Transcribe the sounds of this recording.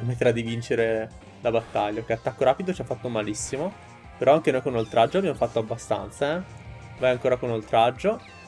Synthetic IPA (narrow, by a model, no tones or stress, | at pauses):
emet̪ːeɾad̪ivint͡ʃeɾe | labat̪ːaʎːakeat̪ːakːoɾaːpid̪ot͡ʃiafːat̪ːomalisːimo | peɾʔɔaŋk̟enojkonolt̪ɾʔad͡ʒːoamjamfat̪ːoabːast̪a̰nt̪saɛ | vajaŋkoːɾakonolt̪ɾad͡ʒːo